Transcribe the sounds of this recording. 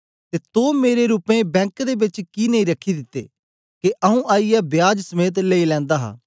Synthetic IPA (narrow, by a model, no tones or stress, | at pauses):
t̪eːt̪oːmeːɾeɾuːpẽːbɛ̃ːŋkd̪eːbɪt͡ʃkiːnəĩːɾəkʰːid̪ɪt̪ːḛː | keʔəɦũːʔaːijɛːbɪjaːd͡ʒsəmeːt̪̬leiːlɛ̃ːnd̪aːɦa̰ː